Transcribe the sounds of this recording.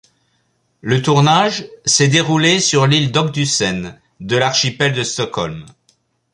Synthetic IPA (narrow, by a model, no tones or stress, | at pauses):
lət̪uʁnaʒsɛd̪eʁulesyʁlild̪ɔk̚d̪ysɛn | d̪əlaʁʃipɛld̪əst̪ɔkɔlm